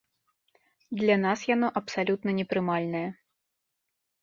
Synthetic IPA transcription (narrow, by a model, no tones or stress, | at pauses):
d̪lʲɐnasjanɔʔɐpsalʲut̪nɐnʲɛpɾɨmalʲnɐjɐ